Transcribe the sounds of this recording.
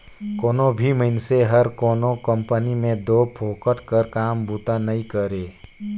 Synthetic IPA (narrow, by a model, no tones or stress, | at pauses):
koːnobʱiməɪnseɦəɾkoːnokə̃mpənimẽd̪oːpʰoːkəʈkəɾkaːmbut̪anəĩkəɾeː